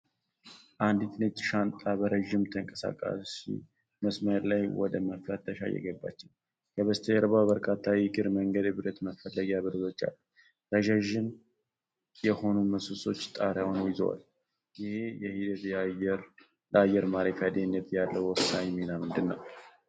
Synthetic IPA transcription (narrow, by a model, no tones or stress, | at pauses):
ʔand̪it̪net̪ʃant̪ʼabəɾəʒːɪmt̪ʰəŋkʼəsa̰kʼa̰sḭ | məsməlajwɔ̰d̪əməflət̪ːəʃa̰jɛ̰ɡəbːa̰t͡ʃːɪn | kʰəβəst̪ʰəjɛɾβawbəɾkʰʼat̪ʰːawɪɡɨɾməŋɡəd̪ɨbɨɾət̪məfəlːəɡaβɨɾəzo̞t͡ʃːa̰lː | ɾəʒaʒɪn | jɛho̞numəsusʼo̞̰t͡ʃːt̪ʼaɾjawnəwjɪzə̰wa̰l | jɪhe̞jɛhid̪ət̪ɛɾ | ləajːɛɾmaɾefad̪enːət̪jalːəwwɔsːaɲminamɨnd̪ɨnːa̰w